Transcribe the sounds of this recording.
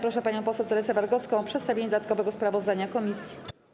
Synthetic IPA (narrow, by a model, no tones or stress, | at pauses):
pɾɔʂɛpaɲɔ̃w̃pɔswɛwt̪ɛɾɛsɛvaɾɡɔt̪skɔ̃w̃pʂɛt̪st̪avʲeɲɛd̪d̪at̪kɔvɛɡɔspɾavɔzd̪aɲakɔmʲisʲji̥